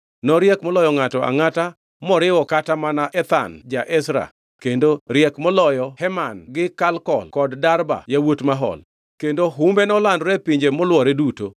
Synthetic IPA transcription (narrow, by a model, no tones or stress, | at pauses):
nɔɾjɛkmɔlɔjɔŋatɔa̰ŋata | mɔɾɪwɔkatamanaʔɛt̪a̰nd͡ʒaʔɛsɾa̰ | kendoɾjɛkmɔlɔjɔhɛmanɡɪkalkɔ̰lkɔddarba̰jawotmaɦɔ̰l | kendoɦumbenɔlandɾepiɲd͡ʒemɔlwɔɾeduto